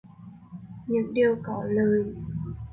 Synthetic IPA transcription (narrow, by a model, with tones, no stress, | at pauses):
ɲɨ̰˧˥ŋɗi˨˩əwkɔ˨˦ləː˨˩j